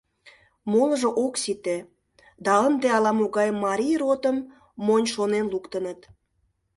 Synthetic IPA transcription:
moləʒoʔoksit̪e | d̪ɑənd̪eɑlɑmoɣɑjmɑɾʲijrot̪əmː | onʲʃonenlukt̪ənət̪

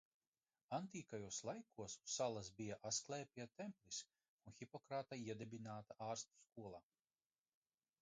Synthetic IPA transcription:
ant̪iːkajuɔslˠajkuɔsualˠasbijaʔasklˠɛːpʲiɛt̪ɛmplis | unxʲipɔkɾaːt̪aiɛd̪ɛbinaːt̪aʔaːɾst̪u̥skuɔlˠaː

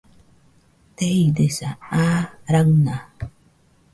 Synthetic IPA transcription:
t̪eidesaaɾawna

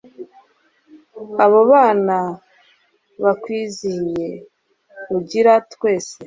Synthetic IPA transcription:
aβoβaːna | βakwiːzije̞ | uɟiɾatkwe̞ːse

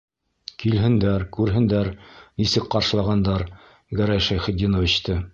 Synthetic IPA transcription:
kilɦɘ̆nd̪æɾkʉɾɦɘ̆nd̪æɾnisɘk̚qɑɾʃɤ̆lˠɑʁɑnd̪ɑɾ | ɡæɾæjʃæjχɘ̆t̪ʲːinovʲit͡ɕt̪ɤ

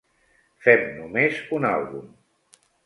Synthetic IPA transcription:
fɛmnumezuna̰lˠβum

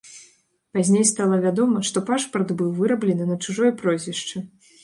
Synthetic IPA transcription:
pazʲnʲejst̪alˠɐvʲad̪ɔmɐʂt̪ɔpaʂpɐrd̪bɨwvɨɾɐblʲɛnɨnɐt͡ʂuʐɔjpɾɔzʲvʲɛʂt͡ʂɨ

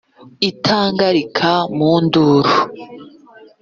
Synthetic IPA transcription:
itʰaːŋɡaɾikʰamuːnduːɾu

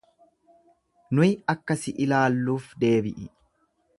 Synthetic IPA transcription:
nʊjɐkːɐsɪʔɪlaːlːuːfd̪e̞ːbɪʔɪ

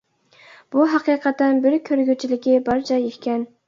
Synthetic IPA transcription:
b̥uɦɑqʰijqʰɑt̪ːænbɪɾkʲʰøɾɡʲyt͡ʃʰilɪkʲibɑɾt͡ʃʰɑjeʃʲkʲɛn

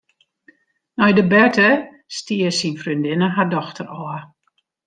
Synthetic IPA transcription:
nɔjdəbɛtə | stiəsinfrindɪnəɦadɔxtʰərɔə

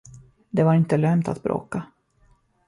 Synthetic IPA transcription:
d̪ɛvaɾɪnt̪əlœmt̪ʰa̰t̪̚bɾʔo̰ːka

